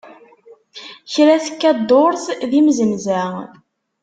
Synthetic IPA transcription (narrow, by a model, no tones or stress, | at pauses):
çɾæθə̥kːæd̪oɾˤθðimzəmzæ